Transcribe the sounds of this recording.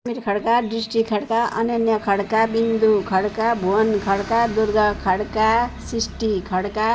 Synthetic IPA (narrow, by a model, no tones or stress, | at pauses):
miɾkʰʌɽkaɖrisʈikʰʌɽkaʌ̰nʌnjʌkʰʌɽkabind̪ukʰʌɽkabʱuʌnkʰʌɽkad̪urɡʌkʰʌɽkasisʈikʰʌɽka